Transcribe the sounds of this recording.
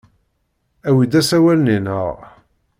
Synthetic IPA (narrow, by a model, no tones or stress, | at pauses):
æwid̪æsæwælninə̰ʁ